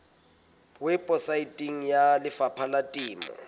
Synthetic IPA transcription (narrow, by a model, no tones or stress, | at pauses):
wɛpʼɔsaitʼiŋ̩jalɪfapʰalatʼiːmɔ̰